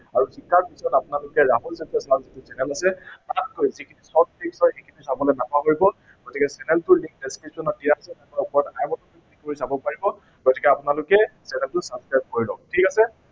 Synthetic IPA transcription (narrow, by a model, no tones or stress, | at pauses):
aɹusikːaɹpisɔtapʊnalʊkɛɹaɦulzatɔsalzitusɛnɛlasɛpɹat̚kojzikʰinisɔt̚piksɔxekʰinisabɔlɔnapaɦoɹibɔ | ɡ̥ɔtikɛsɛnɛltʊlĩŋk̚deskɹipsɔnɔdijaasɛtakaupɔɹɔtajmɔtɔkikʰtikoɹisabɔpaɹibɔ | ɡɔti̥kɛapʊnalʊkɛsɛnɛltʊsabskɹajp̚koɹilɔ̰tʰikasɛ